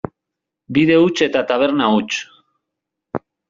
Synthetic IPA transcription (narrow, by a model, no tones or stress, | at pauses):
biðe̞ut͡ʃe̞t̪at̪aβ̞e̞ɾnaut͡ʃ